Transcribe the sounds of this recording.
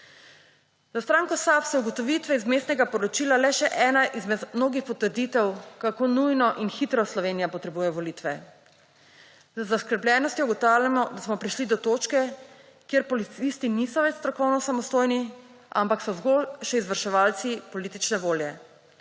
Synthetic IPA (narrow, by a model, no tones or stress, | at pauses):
zast̪ɾaːŋkɔsapsɛuɡɔt̪ɔʋit̪ʋɛizmeːst̪nɛɡapɔɾɔt͡ʃiːlalɛʃɛʔɛːnaʔizmɛt̪mnoːɡixpɔt̪əɾd̪it̪ɛwkakoːnujnɔʔinxit̪ɾɔslɔʋeːnijapɔt̪ɾɛbuːjɛjɔʋɔlit̪ʋɛ | zəzaskəɾblʲjɛːnɔst̪jɔuɡɔt̪awlʲjamɔd̪asmɔpɾiʃlid̪ɔt̪ot͡ʃkɛ | kjeɾpɔlit̪sist̪inisɔʋɛt͡ʃst̪ɾɔkɔwnɔsamɔst̪oːjni | ampaksɔzɡolʃɛizʋəɾʃɛʋaːlt̪sipɔliːt̪it͡ʃnɛʋoːljɛ